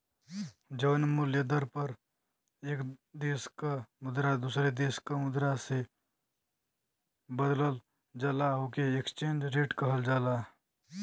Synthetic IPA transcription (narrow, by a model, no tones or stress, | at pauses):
d͡ʒəʋnmʊljəd̪əɾpəɾ | eːkd̪eːskamʊd̪ɾad̪usɾed̪eːskamʊd̪ɾase | bəd̪ləl | d͡ʒaːlaɦoːkeekst͡ʃẽːnd͡ʒɾeːʈkəɦəld͡ʒaːlaː